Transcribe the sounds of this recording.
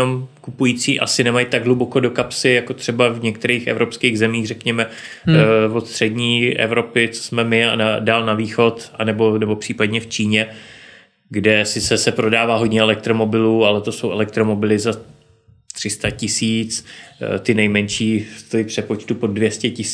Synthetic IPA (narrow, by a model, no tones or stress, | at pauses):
omkupujiːt͡siːʔa̰sɪnɛmajt̪aɡɦlubo̞ko̞do̞kapsɪjako̞t̪r̝̥ɛbavɲɛk̚t̪ɛɾiːxɛ̰vɾʔo̞pskiːɣzɛmiːɣrɛkɲɛmɛ | vo̞t̪st̪r̝̥ɛdɲiːɛ̰vɾo̞pɪt͡so̥smɛmɪa̰nadaːlnaviːxo̞t̪anɛbo̞nɛbo̞pr̥iːpadɲɛft͡ʃiːɲɛ | ɡdɛsɪsɛsɛpɾo̞daːvaːɦo̞dɲɛɛlɛk̚t̪ɾo̞mo̞bɪluːalɛt̪o̞so̞wɛlɛk̚t̪ɾo̞mo̞bɪlɪza | t̪r̝̥ɪst̪acɪsiːt͡st̪ɪnɛjmɛnʃiːst̪ojipr̥ɛpo̞t͡ʃt̪upo̞dvjɛscɛcɪs